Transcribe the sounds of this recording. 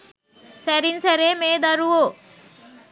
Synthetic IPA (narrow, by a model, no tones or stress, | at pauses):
sæɾinsæɾeːmeːd̪ɐɾuʋoː